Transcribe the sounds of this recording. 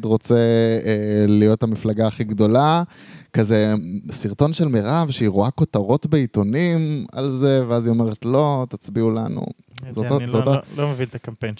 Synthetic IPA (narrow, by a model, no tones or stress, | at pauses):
d̪ʁo̞t͡se | lijo̞tamiflaɡaːχiɡd̪o̞la | kaze̞siʁto̞nʃelmeʁavʃeiʁoako̞t̪aʁo̞tbe̞it̪o̞nima̰lzeveazio̞me̞ʁetlo̞t̪at͡sbiula̰nṵ | zotazot̪alomevint̪akampen